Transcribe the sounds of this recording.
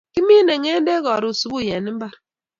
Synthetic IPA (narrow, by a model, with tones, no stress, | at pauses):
ki˦mi˦ne˨ŋe˦n˦de˦ɣɔ˨ɾu˨su˨bu˦˨je˨n˦m̩˦ba˦ɾ